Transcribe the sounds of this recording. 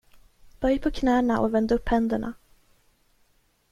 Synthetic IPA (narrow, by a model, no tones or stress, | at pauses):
b̥œjpʰɔkʰnæːnaʔɔ̰vɛnd̪əɵpːhɛnd̪əɳa̰